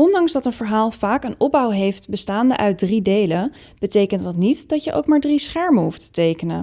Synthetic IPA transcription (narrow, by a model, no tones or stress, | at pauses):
ɔndɑŋzdɑtənvəɹɦaːlˠv̥aːkənɔb̚bɑwɦejftbəstaːndə̰ʔœɥt̚dridejlə | b̥ətejkəntdɑtnitdɑtjəʔo̰wkmaːɹdrisχɛɹməɦuftə̥tejkənə̰n